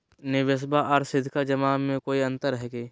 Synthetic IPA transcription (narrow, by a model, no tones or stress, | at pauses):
nɪʋəs̬baʔɔːɾsɪd̪ʱkad͡ʒɐmaːmẽkoːiɐ̃nt̪əɾɦɛɡeː